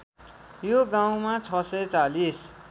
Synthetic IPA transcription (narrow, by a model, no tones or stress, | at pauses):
joɡaw̃mat͡sʰʌsʌjt͡salis